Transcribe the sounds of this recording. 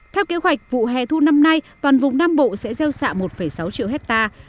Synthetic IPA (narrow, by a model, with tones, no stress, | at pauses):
t̪ʰɛ˧wke˨˦əɦwa˨˩jk̚vṵ˧˨ɦɛ̰˧˨t̪ʰu˧na˧mna˧jt̪waː˨˩nvʊ˨˩ŋ͡mnaː˧mɓo̰˧˨sɛ̰˧˥zɛ˧wsa̰ː˧˨mo˨˩t̚fə˧˩jsa˨˦wt͡ɕḭ˧əɦɛ˦˥k̚t̪aː˧